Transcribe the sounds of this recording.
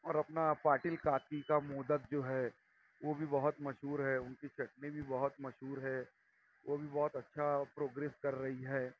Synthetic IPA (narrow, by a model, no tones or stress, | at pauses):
ɔːɾɐpnapaːʈɪlkaːt̪ikamoːd̪ək̚d͡ʒoːɦɛ | ʋobʱibɐɦʊt̪mɐʃɦuːɾɦɛʊnket͡ʃʰɐʈnebʱibɐɦʊt̪mɐʃɦuːɾɦɛː | ʋʔobʱibɔːt̪ɐtːʃʰapɾoːɡɾeːskɐɾːɐɦiɦɛː